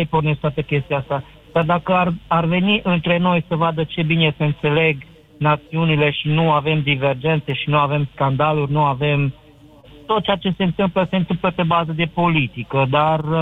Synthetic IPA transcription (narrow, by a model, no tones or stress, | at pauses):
jpornest̪at̪əkʲe̞st̪iast̪a | d̪̥ard̪akəararve̞niʔɨnt̪ɾe̞no̞jsəvad̪ət͡ʃe̞bineseɨnt̪se̞le̞ɡ | nat̪siunile̞ʃinuave̞md̪ive̞rd͡ʒe̞nt̪se̞ʃinuave̞mskand̪alurʲnuave̞m | t̪o̞t̪̚t͡ʃeat͡ʃe̞se̞ɨnt̪ɨmpləse̞ɨnt̪ɨmpləpe̞bazəd̪e̞po̞lit̪ikəd̪ar